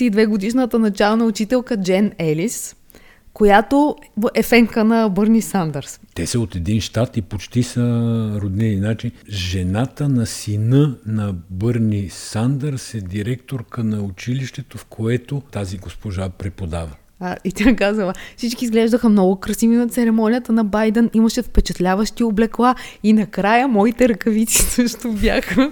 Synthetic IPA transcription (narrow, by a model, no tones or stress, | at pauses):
iid̪vɛɡod̪iʃnət̪ənɐt͡ʃalˠənɐʊt͡ʃit̪ɛlˠkəd͡ʒɛnɛlis | kojat̪oɛfɛŋkənɐbɤɾnʲisand̪əɾst̪ɛsɐot̪ɛd̪inʃt̪at̪ipot͡ʃt̪isəɾod̪nɛninat͡ʃinʒɛnat̪ənɐsinənɐbɤɾnisand̪əɾsɛd̪iɾɛkt̪oɾkənɐʊt͡ʃiliʃt̪ɛt̪ofkʰoɛt̪ot̪aziɡospoʒapɾɛpod̪avɐ | ait̪ʲakazəlˠəfsit͡ʃkiːzɡlɛʒd̪əxəmnɔɡʊkɾɐsivinɐt̪sɛɾɛmɔnʲijət̪ənɐbajd̪ɛnimɐʃɛfpɛt͡ʃɐt̪lʲavəʃt̪ioblɛklˠainɐkɾajəmɔit̪ɛɾɐkɐvit̪si̥sɤʃt̪obʲjaxə